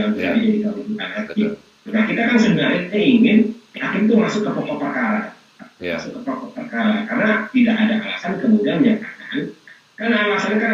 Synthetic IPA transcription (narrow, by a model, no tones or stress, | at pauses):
aŋbisa̰d͡ʒadikawidut̪anat̪i | bakit̪akansədənaɾɪɲaiŋɪnakɪnt̪umasʊkːəpɔp̪ɔpərkaɾa̰ | masʊkːəpɔtɔpərkaɾakarənat̪idaʔadaʔala̰sankəmudianɲakanan | kanaːlasankan